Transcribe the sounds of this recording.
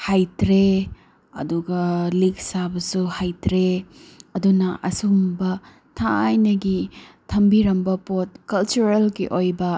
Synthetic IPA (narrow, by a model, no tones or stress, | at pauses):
hajtɾe | ɐ̰duɡɐlik̚sabɐsuhajtɾeɐdunɐʔɐsumbɐ | tʰajnɐɡitʰɐmbiɾɐmbɐpot̚kɐlt͡ʃuɾelɡiʔojbɐ